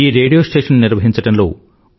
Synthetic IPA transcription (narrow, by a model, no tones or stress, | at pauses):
iːɾe̞ːɖijoːsʈeːʂɐnːiɾʋɐɦiɲt͡ʃɐʈɐnlo̰ː